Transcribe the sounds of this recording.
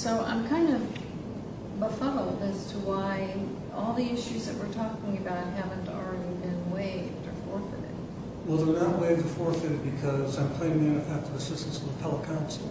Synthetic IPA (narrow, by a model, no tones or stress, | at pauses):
soʊʔã̰ɪ̃mkʰãɪ̃ndʌv | bəfɑɾʊd̪̚ɨz̥tʰəwaɪ | ɔlˠðiɪʃʉzðɨʔ̚wəɹtʰɔkɪ̃ŋɨbaʊt̚ɦævɨ̃n̩tl̩ˠɹɛɾibɪ̃nweɪ̥tʰɨfɔɹfɪ̰ɾɪ̰d̥ | wɛlˠðə˞nəʔ̚weɪvtʰəfɔɹfɨɾɨd̚bɨkʰʌzãɪ̃mkʰl̥ẽɪ̃mɪ̃ŋɨ̃nɨθæftə˞ðiəsɪstn̩sʌðətʰɛlˠəkʰãʊ̃nsl̩ˠ